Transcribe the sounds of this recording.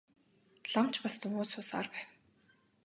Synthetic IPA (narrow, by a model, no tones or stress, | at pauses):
ɮam̥t͡ɕpast̪ɵŋoːsʊːsa̰rpæːw